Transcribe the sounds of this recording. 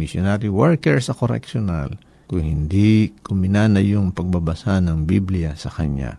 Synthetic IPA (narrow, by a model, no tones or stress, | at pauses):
mɪsjonaɾiwɛɹkɛɹsɐkoɾɛ̰kʃona̰l | kʊŋhɪnd̪ikʊmɪnanɐjʊŋpɐɡ̚bɐbɐsanɐŋbiblɪjɐsɐkɐɲa̰